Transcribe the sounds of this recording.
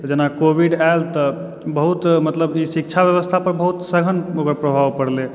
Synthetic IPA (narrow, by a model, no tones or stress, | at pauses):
d͡ʒenakobiɖaelt̪ə | bəɦut̪mət̪ləbisik̚t͡ʃʰabjəʋəst̪ʰapəɾbəɦut̪səɡʱənokəɾpɾəbʱawpəɽle